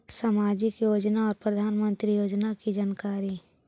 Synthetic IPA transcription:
saːmaːd͡ʒɪkjoːd͡ʒnaɔːɾpɾəd̪ʱaːnmə̃nt̪ɾijoːd͡ʒnakid͡ʒaːnkaːɾi

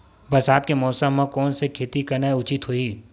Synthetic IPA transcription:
bɐsaːt̪̚kemɔːsəmːãkɔːnsekʰeːt̪ikɐɾneʊt͡ʃɪt̪ɦoiː

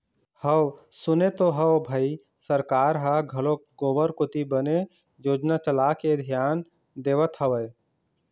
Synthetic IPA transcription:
həw | sʊnet̪oɦəwbʱəi | səɾkaːɾɦaɡʱəloɡoːbəɾkʊt̪ibəne | joːd͡ʒnat͡ʃəlakeəd̪ʱijaːn | d̪eːʋət̪ɦəʋəj

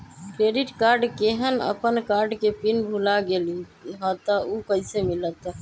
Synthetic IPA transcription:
kɾeɖiʈkaɾɖkeɦənə̰pənkaɾɖkepinbʱulaɡeliɦɔt̪əukəisemilət̪

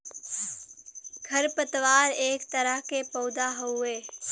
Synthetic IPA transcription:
ɡʱəɾpət̪waːɾeːkt̪əɾəɦkepoːd̪aɦoeː

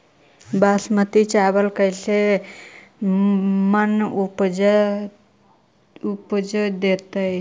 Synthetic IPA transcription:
basmət̪it͡ʃabəlkəɦise | mənupd͡ʒ | upd͡ʒojd̪et̪əj

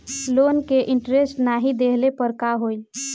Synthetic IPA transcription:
lonkeʔɪɳʈɾesʈnaɦid̪eɦlepəɾkaɦoi

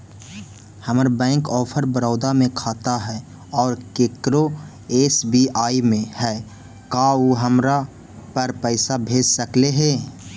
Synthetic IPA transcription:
həməɾbɛ̃ːŋkɔːpʰəɾbəɾɔːd̪amẽkʰaːt̪aɦɛː | ɔːɾkeːkɾo | eːsbiːaːimẽhɛː | kaːoɦəmɾa | pɐɾpɛɪsabʱeːd͡ʒsəkleɦeː

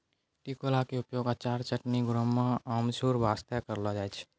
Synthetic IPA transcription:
ʈikolakeupjoɡat͡ʃaɾt͡ʃəʈniɡʊɾəmːãamsuɾbʱast̪akəɾlɔd͡ʒajt͡ʃʰ

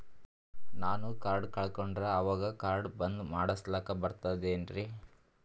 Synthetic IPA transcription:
naːnukaːɾɖkɐɭkoɳɖɾɐːʋaːɡɐkaːɾɖbɐnd̪maːɽɐslaːkɐbɐɾt̪ad̪eːnɾi

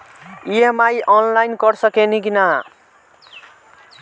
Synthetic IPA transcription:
iemajʔʌnlajnkʌrsʌkenikina

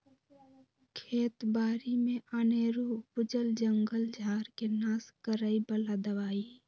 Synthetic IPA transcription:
kʰeːt̪baːɾimẽʔəneːɾupʊd͡ʒəld͡ʒəŋɡəld͡ʒʱaːɾkenaːskəɾəibəlad̪əʋaːi

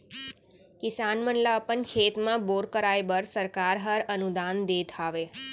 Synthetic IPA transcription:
kɪsanmənlapənkʰet̪mãboɾkəɾajbəɾsəɾkaɾɦəɾənud̪and̪ed̪ʱʰaʋe

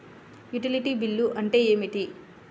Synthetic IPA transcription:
juʈiliʈiːbilːuʔɐɳʈe̞ːe̞ːmiʈ̪i

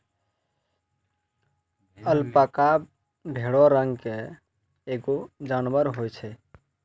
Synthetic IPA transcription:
əlpaka | bʱeɽɔɾəŋɡke | eɡod͡ʒanwəɾɦojt͡ʃʰɛ

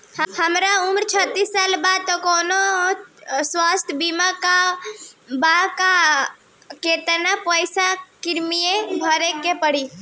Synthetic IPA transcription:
hhəmɾaumɾt͡ʃʰət̪ːisːalbad̪̚t̪ɔkono | swast̪ʰbimaka | baka | ket̪ənapəjsakiɾmijebʱəɾekːepəɽi

